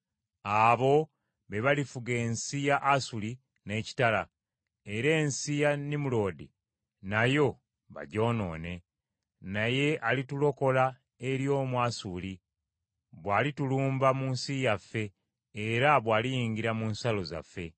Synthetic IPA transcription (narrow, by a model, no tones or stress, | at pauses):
aβo̞ | βe̞βalifuɡe̞ːnsijaʔasuli | ne̞ːci̥tala | e̞ɾe̞ːnsijanimulo̞ːdḭ | najo̞ | βa̰ɟo̞ːno̞̰ːne̞ | naje̞alitulo̞ko̞la | eɾjo̞ːmwaːsuli | βwaːlituluːmbamunsijafːe̞ː | ɾaβwaːlijiːŋɡiɾamuːnsalo̞za̰fːe̞